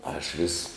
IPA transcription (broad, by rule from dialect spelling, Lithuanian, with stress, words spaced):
ˈɐʃ ˈʋʲɪs